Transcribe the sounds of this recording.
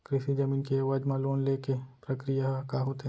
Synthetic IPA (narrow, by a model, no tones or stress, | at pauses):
kɾɪʃid͡ʒɐmiːnkeaʋaːd͡ʒmãloːnlekepɾɐkɾijakaɦoːt̪e